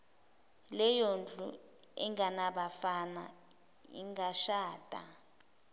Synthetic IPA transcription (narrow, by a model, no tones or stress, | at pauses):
lɛjond͡ɮʼṵ | ɛŋʱanaɓafana | ḭŋɡaʃaːtʼa̰